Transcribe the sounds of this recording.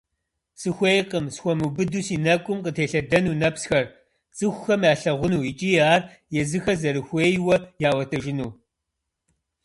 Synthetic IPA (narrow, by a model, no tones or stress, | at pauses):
sɨxʷejqʼəmsxʷɔmubɨduːsiːnɐkʷʼʊmqətʰeːɬɐdɐnuːnɐpsxɐr | t͡sʼɨxʷxɐmjaːɬɐʁʷʊnuːit͡ʃʼiːjaːr | jɛzɨxɐzɐɾɨxʷeːjwɐjaːwɐtʰɐʒɪnuː